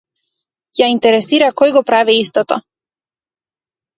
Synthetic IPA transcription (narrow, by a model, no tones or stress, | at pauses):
jaint̪ɛɾɛsiɾakɔjɡɔpɾaviist̪ɔt̪ɔ